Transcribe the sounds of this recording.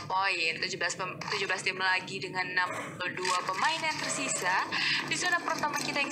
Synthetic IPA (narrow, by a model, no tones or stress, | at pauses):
poɪnt̪ud͡ʒublaspəmt̪ud͡ʒʊblast̪ɪmlaɡidəŋanːamduapəmaɪnjaŋt̪ərsisadisonapərt̪amakit̪aj